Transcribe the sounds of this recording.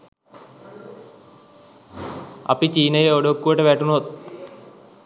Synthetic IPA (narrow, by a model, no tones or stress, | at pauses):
ɐ̰pit͡ɕiːnɐjeoɽokːuʋʈːeʋeːʈːunoːt̪̚